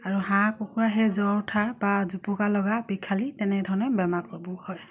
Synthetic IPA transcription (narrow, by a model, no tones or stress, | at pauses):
aɹuɦãkɔkʰuɹaɦɛzɔtʰabazupukalɔɡabikʰalitɛnɛdʱɔɹnɔbɛmakɔɹbɔhɔj